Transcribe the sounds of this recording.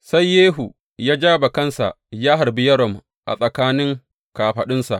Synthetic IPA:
sa˦jːeː˦ɦu˨ | jaː˦d͡ʒaː˦ba˨kɐ˦nsa̰˨ʔ | jaː˦ɦa˨rbi˦jɐ˦ɾɔ˨m | ʔa̰˨sʼɐ˨kaː˦nɪ˦ŋ | kaː˨ɸɐ˨ɗɪ˦nsa̰˨ʔ

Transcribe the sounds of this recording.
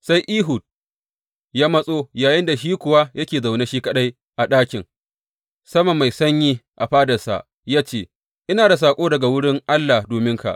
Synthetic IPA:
sa˦jʔiː˦ɦʊ˨t̚ | jaː˦mɐ˦sʼoː˦jaː˨jɪ˦nda˨ʃ̬iː˦kʷʊ˨wa˦jɐ˦kʲeː˨za˨wne˦ʃiː˦kɐ˦ɗa˦j | ʔa˨ɗaː˦kʲɪ˨ŋ | sɐ˦mɐ˨mːa˨jsɐ˦ɲjiː˦ʔa˨ɸaː˦dɐ˨rsa̰˨ʔ | jaː˦t͡ʃeː˦˨ | ʔɪ˦naː˨da˨s̬aː˨kʷʼoː˦dɐ˨ɡa˨wʊ˦ɽɪ˦ŋʔa˦lːa˨doː˨mɪ˦ŋka̰˨ʔ

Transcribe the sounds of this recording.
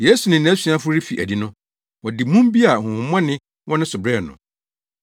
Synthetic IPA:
je˦su˨nɪ̃˨n˨æ̃˨˦si˨˦ã˦fʊ˦ɾɪ˦fi˨ʔæ̰˨di˨˦nʊ̃˦ | wɔ˨dɪ˨mũ˦m˦bi˦a˨hʊ̃˨hʊ̃˨˦m˦ã˦nɪ̃˦ | wʔɔ̃˦nʊ̃˦sʊ˨bɾɛ˦˨nʊ̰̃˨

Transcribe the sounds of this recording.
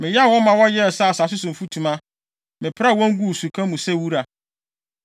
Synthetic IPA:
mɪ̃˨jɛ˦˨wɔ̃˦mã˨wɔ˦jɛ˦ɛ˨sa˦˨sa˨s̬ʊ˦sʊ̃˨m̩˨fu˦tʰũ˨mã˦ | mɪ̃˨pʰɾa˦˨wɔ̃˦ŋ˦ɡu˦˨su˨kʰã˦mũ˨sɛ˦wu˦ɾa˨

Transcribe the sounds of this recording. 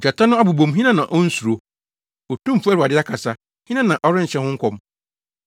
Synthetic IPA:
d͡ʑa˨tʰa˦nʊ̃˦a˦bu˨bõ˨mɦĩ˦nã˦nã˨ʔɔ˦n̩˦su˨ɾo˨ | ɔ˨tʰũ˦˨fu˦ɛ˦ɾa˨dɪ˦a˦kʰa˨sa˦ | hĩ˦nã˦˨nã˨ʔɔ˦ɾɪ̃˦ɲ̩˨ɕɛ̃˦hʊ̃˦ŋ̩˦kʷʰɔ˨m

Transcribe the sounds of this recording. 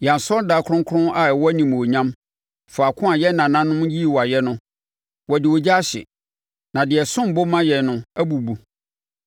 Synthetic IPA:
jã˨n˨sɔ˦da˨kʰɾʊ̃˦ŋ˦kʰʊ̃˦na˨ɛ˨wɔ˦æ˦nĩ˨m˨o˨ɲã˦m | fɔ˨a˨kʰʊ̃˦a˨jɛ˦nã˨nã˦nʊ̃˦mji˦˨wɔ˨a˨jɛ˦nʊ̃˦ | wɔ˨dɪ˨wɔ˨d͡ʑa˦a˦ɕɪ̰˨ | nã˨dɪ˨ɛ˨sʊ̃˦m˨bʊ˦mã˦jɛ˨nʊ̃˦æ˦bu˨bu˨

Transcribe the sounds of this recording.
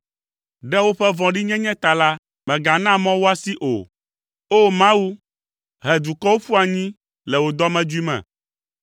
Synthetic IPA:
ɖɛ˦wo˦ɸɛ˦vɔ̃˨ɖi˦ɲɛ̃˦ɲɛ̃˦t̪a˨la˦ | mɛ̃˨ɡa˨nã˦mɔ̃˦wo˦a˦si˦ʔo̰˨ | o˦mã˦wu˦ | ɦɛ˨d̪u˨kɔ˦wo˦fu˦a˨ɲĩ˦ | lɛ˨wo˨d̪ɔ˦mɛ̃˦d͡ʒu˦i˦mɛ̰̃˨

